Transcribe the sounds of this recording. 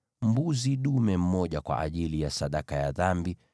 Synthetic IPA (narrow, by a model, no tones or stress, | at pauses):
m̩buziɗumɛm̩mɔʄakwa̰ʔa̰ʄilijasaɗakajaðambi